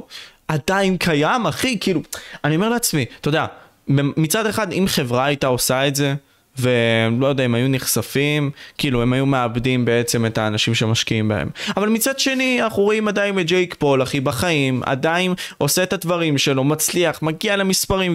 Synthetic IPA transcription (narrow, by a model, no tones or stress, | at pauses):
adajinkʰajamaχikiːluanio̞me̞leat͡smit̪o̞d̪ea | bemit͡sade̞χadimχe̞vʁaːajt̪ao̞saetze̞ | ve̞lojod̪eaimajuniχsafimkiːlue̞majume̞abdimbe̞e̞t͡se̞me̞taːnaʃimʃemaʃkiimba̰ḛmavalmit͡sadʃe̞nianaχuʁoimadajinet̚d͡ʒejkpo̞laχibaχaima̰daino̞seːtadvaʁimʃe̞lo̞mat͡sliaχmaɡialemispaʁim